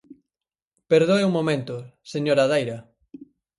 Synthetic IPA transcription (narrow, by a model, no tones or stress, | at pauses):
peɾðoeuŋmomẽnt̪ʊseɲoɾaðajɾɐ